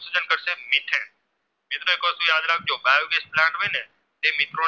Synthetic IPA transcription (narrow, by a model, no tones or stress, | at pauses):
sud͡ʒənkəɾʃemɪt̪ʰe | mɪt̪ɾoekot̪ũjãd̪ɾak̚d͡ʒobajoɡesplãɳʈʋojne | t̪emɪt̪ɾo